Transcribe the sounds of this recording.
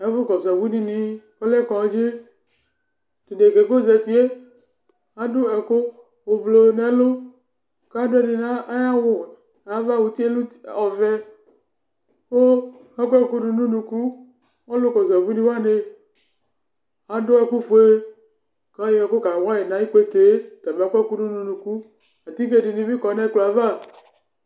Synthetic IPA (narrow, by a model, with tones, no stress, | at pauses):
ɛ˨˦vʊ˦kɔ˨zɔ˨vu˦ni˦ni˦ | ɔ˦lɛ˦kɔ˨˦d͡ʒe˦ | di˨de˨ke˨ɡo˦˨zɛ˨t̪i˦e˦ | a˨dʊ˦ɛ˨ko˦ | o˨vlo˨nɛ˨˦lo˦ | ka˦dʊ˦ɛ˦ni˨na˦a˦ja˦wʊ˨ | a˦va˦˨wu˨t̪i˦e˦lu˦ɔ˨vɛ˦ | wo˦ | a˦kʷɛ˦˨ku˦du˨nũ˦nũ˨ku˦ | ɔ˦lʊ˦kɔ˨zɛ˨bu˦ni˦wa˦ne˦ | a˨dʊ˦ɛ˨ku˦fo˨˦e˦ | ka˦je˦ɛ˨ko˦ka˨wa˦je˨nã˨˦ji˦ke˦t̪e˨˦t̪a˨be˨a˦kʷɛ˦˨ku˦du˦nũ˦nũ˨ku˦ | a˨t̪i˦ke˦di˨ni˨˦mi˦kɔ˨nɛ˦klo˨a˨va˦˨